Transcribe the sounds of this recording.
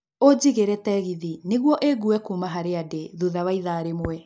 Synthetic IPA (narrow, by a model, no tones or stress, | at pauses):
od͡ʑiɣeɾɛtɛɣiðineɣwɔʔeɡuɛkumaɦaɾeadeðuðawaiðaːɾemwɛ